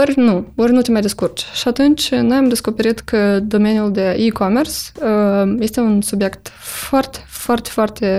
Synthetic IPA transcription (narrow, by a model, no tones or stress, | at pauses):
orʲnuorʲnut̪emajd̪ʲeskurt͡ʃʃiat̪unt͡ʃʲno̞jamd̪e̞sko̞peɾit̪kʰəd̪o̞menʲjuld̪e̞ʔikomersəje̞st̪e̞unsubje̞kt̪foart̪e̥foart̪e̥foart̪e̞